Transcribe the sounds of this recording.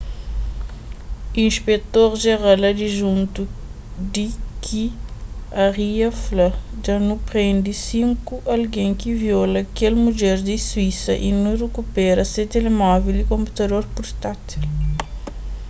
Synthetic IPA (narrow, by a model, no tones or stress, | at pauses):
ĩnʃpet̪oɾʒeɾalɐd̪iʒũnt̪u | d̪ikʰi | ɐʁiɐflad͡ʒanupʁẽnd̪isĩŋkuʔɐlɡẽŋkiviolɐkelmud͡ʒɛɾd̪iswisɐʔinurekupɛɾɐset̪elemɔvilikõmpu̥t̪ɐd̪oɾpuɾt̪at̪i